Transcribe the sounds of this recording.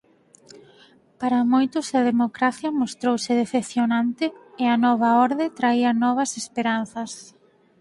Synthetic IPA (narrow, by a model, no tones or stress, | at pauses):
paɾɐmojt̪ʊsɐðemokɾaθjɐmost̪ɾowsɪðeθeθjonant̪ɪɪɐnɔβ̞ɐɔɾðet̪ɾaiɐnɔβ̞ɐsespeɾan̟θɐs